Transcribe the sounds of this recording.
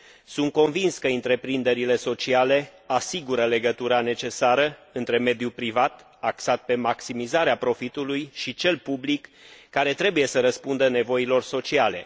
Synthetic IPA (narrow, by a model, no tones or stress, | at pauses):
sunt̪̚ko̞nvinskəɨnt̪ɾe̞pɾind̪e̞ɾile̞so̞t͡ʃiale̞asiɡuɾəle̞ɡət̪uɾane̞t͡ʃe̞saɾəɨnt̪ɾe̞me̞d̪jupɾivat̪ | aksat̪̚pe̞maksimizaɾeapɾo̞fit̪ulujʃit͡ʃe̞lpublikːaɾe̞t̪ɾe̞buje̞səɾəspund̪əne̞vo̞ilo̞rso̞t͡ʃiale̞̰